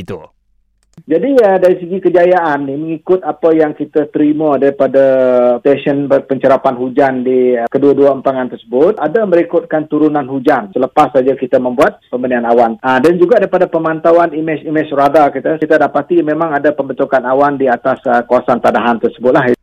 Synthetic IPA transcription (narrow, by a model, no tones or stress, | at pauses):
it̪u | d͡ʒadiədaɾisəɡikəd͡ʒajaʔanːiməŋikʊt̪̚apajaŋkit̪at̪əɾimadaɾipadat̪ɛsənəpəɲt͡ʃəɾapanɦud͡ʒandikəduaduaəmpaŋant̪ərsəbʊt̪̚adaməɾikʊt̪̚kant̪uɾunanhud͡ʒansələpasːad͡ʒakit̪amə̃mbuat̪̚pəmbənianawanədand͡ʒuɡadaɾipadapəmant̪awanimɪt͡ʃimɪt͡ʃradakit̪ait̪adapat̪imẽmãŋadapəmbənt̪ukanawandiat̪asəkawasant̪adaɦant̪ərsəbʊt̪̚laɦ